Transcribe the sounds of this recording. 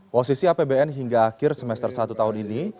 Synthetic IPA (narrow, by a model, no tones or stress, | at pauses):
pɔsisiapebeɛnɦiŋɡaːkɪrsəmɛst̪ərsat̪ut̪aɦʊnini